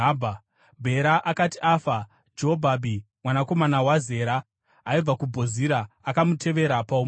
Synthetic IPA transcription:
bʱa | bʱe̞ɾaʔakatiʔaːfa | d͡ʒoobʱabʱi | mwanako̞manawaze̞ːɾa | aib͡vakubʱo̞ziɾaːkamutʰe̞ʋe̞ɾapaum

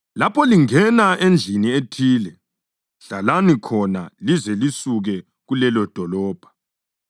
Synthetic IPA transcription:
lapʰɔliŋɛnaʔend͡ɮʱinietʰiːlɛ | ɬalanikʰɔna̰lizɛlisuɣɛ | ɣulɛlɔd̥ʱɔlɔːb̥ʱḁ

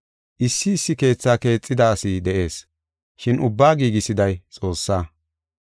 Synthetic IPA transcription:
ʔɪsːɪːsːɪke̞ːt͡sːaːke̞ːt͡sʼːɪd̪ɐːsɪd̪ɛʔe̞ːs | ʃɪnʔʊbːaːɡiːɡɪsɪd̪ɐjt͡sʼo̞ːsːaː

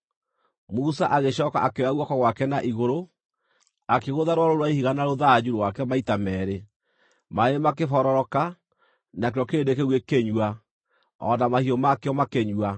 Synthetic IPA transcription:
musaʔaɣeɕɔːka̰ʔakeɾaɣwɔkɔɣwakɛnaʔiɣoɾo | akeɣoðaɾwaɾoɾwaihiɣanaɾoðad͡ʑuɾwakɛmaitamɛːɾe | maemakefɔɾɔɾɔka | nakeɾɔkeːdekeɣwekeɲwa | ɔ̰namahiɔmakeɔmakeɲwa

